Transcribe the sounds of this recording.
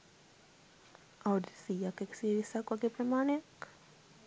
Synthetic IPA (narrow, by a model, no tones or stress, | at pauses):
auɖesijakːekə̥siɾisakʋaɡepɾɐmaːnejak